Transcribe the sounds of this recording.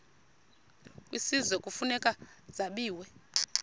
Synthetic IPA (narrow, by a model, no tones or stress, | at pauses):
kwisizwɛkʼufunɛkʼad͡zaɓiːwɛ